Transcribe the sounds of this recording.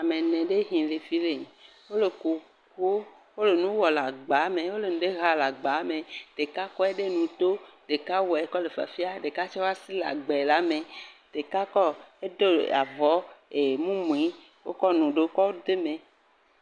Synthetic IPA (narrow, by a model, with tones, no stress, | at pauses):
a˨mẽ˨nẽ˨ɖe˦ɦĩ˨le˨fi˦le˨ | wo˦le˨ko˨ | ko˦ | wo˦le˨nũ˦wɔ˨la˨ɡ͡ba˨˦mẽ˨wo˦le˨nũ˨ɖe˦ɦa˦la˨ɡ͡ba˨˦mẽ˨d̥̪e˨ka˦kɔ˦e˦ɖe˦nũ˨t̪o˦ɖ̥e˨ka˦wɔ˨ɛ˨kɔ˦le˨fa̰˨fi˦a˦ɖe˨ka˦t͡ʃɔ˦wa˦si˦la̰˨ɡ͡bɛ˨la˨˦mẽ˨d̥̪e˨ka˦kɔ˦e˦d̪o˦a˨vɔ˨˦e˨mũ˦mũ˨i˨˦ | wo̰˦kɔ˦nũ˨ɖe˦kɔ˦wo˦d̪e˦mẽ˨